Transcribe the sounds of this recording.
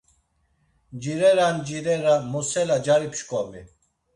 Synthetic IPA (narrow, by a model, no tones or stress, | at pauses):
d͡ʒiɾɛɾand͡ʒiɾɛɾamɔsɛlad͡ʒaɾipʃkʼɔmi